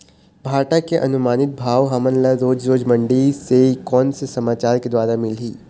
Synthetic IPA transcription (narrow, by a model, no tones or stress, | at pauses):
bʱaːɾʈakeʔɐnʊmaːnɪt̪̚bʱaːʋɦɐmənlaɾoːd͡ʒɾoːd͡ʒmɐ̃ɳɖisekɔːnsesɐmaːt͡ʃaːɾked̪waːɾamɪlɦiː